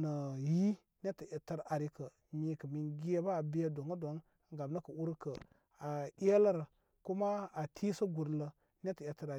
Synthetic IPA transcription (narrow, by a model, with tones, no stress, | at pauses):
nə˨ji˦ | ne˦tə˨e˨tə˦ɾa˨ɾi˦kə˨ | mi˦kə˨mi˨nɡi˦e˦ba˦˨bi˦a˦do˨ŋə˦do˨˦n˨ | ɡa˨bnə˦kə˨ʔu˦ɾkə˨ | a˨˦e˦lə˦ɾ | ku˦ma˦a˨tʰi˦sə˦ɡu˨ɾlə˨ | ne˦tə˨je˨tə˨ɾa˨